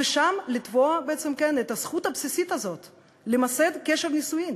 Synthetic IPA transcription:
eʃamlit̪voabeet͡semkenet̪asχut̪apsisit̪azo̞t̪ | lemased̪keʃevnisuim

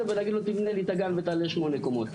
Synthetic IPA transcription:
evelaɡid̪lot̪ivnelit̪aɡanvet̪aleʃmo̞nekomot̪

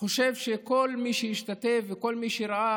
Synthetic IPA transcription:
o̞ʃe̞vʃeko̞lmiʃejiʃt̪at̪e̞vːeko̞lmiʃeɾaʔa

